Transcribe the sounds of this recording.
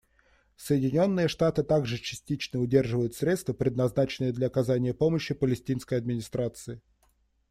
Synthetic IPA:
səjɪdʲɪnʲo̞nːɨjəʂt̪at̪ɨt̪aɡʐɨt͡ɕɪ̥sʲtʲit͡ɕnəʊdʲe̞rʐɨvəjʊt̪sɾʲe̞t̪st̪vəpɾʲɪd̪nɐznat͡ɕɪnɨjəd̪lʲɐɐkɐzanʲɪjəpo̞məɕːɪpəlʲɪsʲtʲinskəjɐd̪mʲɪnʲɪst̪ɾat̪sɨɪ

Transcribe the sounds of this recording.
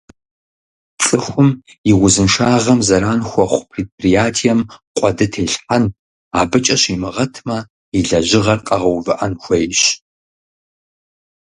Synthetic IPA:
t͡sʼɨxʷʊm | jɪʁʷʊzɨnʂaːʁɐmzɐɾaːnxʷɔχʷpʰreːt̚prijaːtʰijɛmqʷʼɔdɨtʰeːɬħan | aːbɨt͡ʃʼɐɕimɨʁɐtʰmɐ | iɮɐʑɪʁɐrqʼɐʁɐwvɨʔɐnxʷɐjɕ

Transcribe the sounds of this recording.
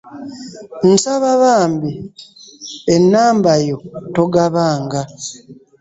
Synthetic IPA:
n̩saβaβaːmbi | enːaːmbajoto̞ɡaβaːŋɡa

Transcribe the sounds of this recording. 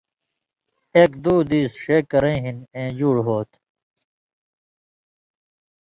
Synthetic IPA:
eːkd̪uːd̪iːsʂeːkːɐɾẽːɦinẽːd͡ʑuːɽɦoːt̪

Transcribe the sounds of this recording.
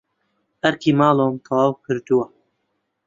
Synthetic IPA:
ɐɾkʰiːmɑːloːmt̪ʰɑwɑːwkʰɨɾd̪uwa

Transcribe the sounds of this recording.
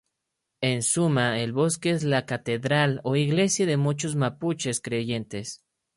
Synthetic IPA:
e̞nsumaelβo̞skeezlakat̪e̞ðɾalo̞iɣle̞sjaðe̞mut͡ʃo̞zmaput͡ʃe̞skɾe̞ʝe̞nt̪e̞s

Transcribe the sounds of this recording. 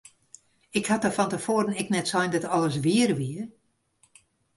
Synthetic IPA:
ɪkhatəfɔntəfoːəɾənɪknɛtsɔjndɔtɔlˠəsʋiərʋiər

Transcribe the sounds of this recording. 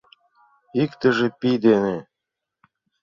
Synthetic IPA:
ikt̪ɘ̆ʒĕpid̪ene

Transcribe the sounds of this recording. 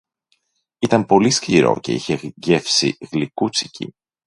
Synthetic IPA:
it̪ɐmpo̞lisciɾo̞̰ce̞̰içe̞ʝe̞fsḭɣlikut͡sicḭ

